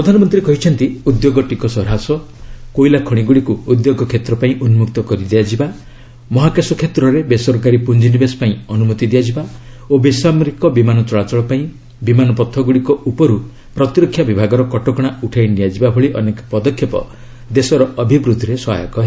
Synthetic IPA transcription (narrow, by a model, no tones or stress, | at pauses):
pɾɔd̪ʱanɔmɔnt̪ɾikɔɦit͡ʃʰɔnt̪iud̪joɡɔʈikɔsɔɾɦasɔ | kojlakʰɔɽ̃iɡuɽikuːd̪joɡɔkʰet̪ɾɔpaĩʔunmuk̚t̪ɔkɔɾid̪iad͡ʒiba | mɔɦakesɔkʰet̪ɾɔɾebesɔɾkaɾipund͡ʒinibespaĩɔnumɔt̪id̪iad͡ʒiba | obesameɾikɔbimanɔt͡ʃɔɭat͡ʃɔɭɔpaĩ | bimanɔpɔt̪ʰːɔɡuɽikɔupɔɾu | pɾɔt̪iɾɔkʰːjabibʱaɡɔɾɔkɔʈɔkɔɽ̃auʈʰajnijad͡ʒibabʱɔɭiʔɔnekɔ̥pɔd̪ɔkʰːjɔpɔ̰ | d̪esɔɾɔɔbʱibɾud̪ʱɾesɔɦa̰jɔkɔɦe